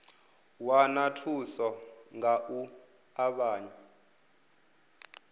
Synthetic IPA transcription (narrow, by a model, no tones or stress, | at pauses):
wanatʰusɔŋaʔu | aɓaːɲɛ